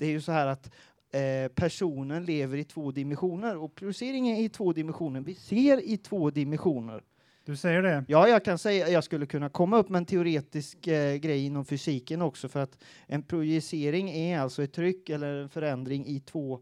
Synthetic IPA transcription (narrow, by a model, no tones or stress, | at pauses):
d̪̥ɛæɾjɵsɔhæːɾat̪ | pʰæʂuːnənleːvəɾɪt̪ʰv̥oːd̪ɪmɛnɧuːnəɾɔpʰɾʊjseːɾɪŋənɪt̪ʰvoːd̪ɪmɛnɧuːnəɳvɪseːɾɪt̪ʰvoːd̪ɪmɛnɧuːnə̰ɾ | d̪̥ɵsɛjːəɖɛjɑːjɑːɡkʰansɛjːajɑːɡskɵlːəkʰɵnːakʰɔmːaɵpːmɛɛnt̪ʰɛʊɾeːt̪ɪskɡɾɛjːɪnːɔmfʏsiːkənɔksɔfœɾat̪ʔɛnpʰɾʊjɛseːɾɪŋɛalt̪sɔɛt̪ʰːɾʏkːɛlːəɾɛnfœɾɛnd̪ɾɪŋɪt̪ʰvoː